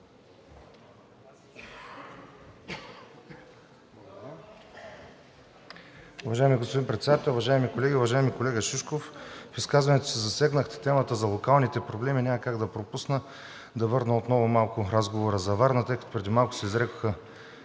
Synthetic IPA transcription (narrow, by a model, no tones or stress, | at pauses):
ʊvɐʒaɛmiɡospodimpɾɛt̪sɛd̪at̪ɛlˠʊvɐʒaɛmikolɛɡʲiʊvɐʒaɛmikolɛɡəʃiʃkoffiskazvɐnɛt̪o̥sizɐsɛɡnəxt̪ɛ̥t̪ɛmət̪əzɐlˠokalˠnit̪ɛpɾoblɛminʲaməkaɡd̪ɐpɾopusnə | d̪ɐvɤɾnəot̪nɔvʊmalˠkʊɾazɡovoɾəzɐvaɾnət̪ɤjkə̥t̪o̥pɾɛd̪imalˠkʊ̥sɛizɾɛko̥xə